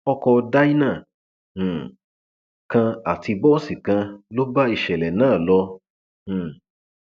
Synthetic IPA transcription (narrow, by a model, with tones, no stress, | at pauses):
ɔ˧kɔ˧da˦i˦nã˦˨ | kã˧a˨ti˧bɔ˦si˨kã˧lo˦ba˦i˧ʃɛ˨lɛ˨nãː˦˨lɔ̃˧˦˨